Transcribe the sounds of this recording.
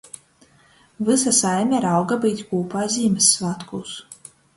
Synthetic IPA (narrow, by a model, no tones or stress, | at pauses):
vɨsasajmʲɛɾawɡabijt̪ʲkuːpaːjzʲiːmʲɛsːvat̪kuːs